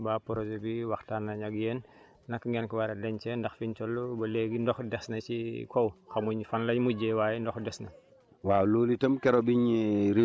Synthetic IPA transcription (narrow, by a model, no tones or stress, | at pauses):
bapɔɾosobiwaxtaːnːɐɲaɡjeːn | nɐkŋɡɛnkiwaɾɐlɛɲt͡ʃɛndɐxfint͡ʃɔlːubɐleɡindɔxdɛsnɐt͡ʃikʰɔwxɐmuɲfanlɐɲmuɟɛwaːjindɔxdɛsnɐ | waːloːlitɐmkɛɾobiɲɾi